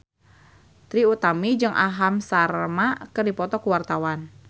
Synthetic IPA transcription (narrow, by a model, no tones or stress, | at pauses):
t̪ɾiut̪amid͡ʒɨŋʔa̰ɦamsarmakɨrdipɔt̪ɔkuwart̪awan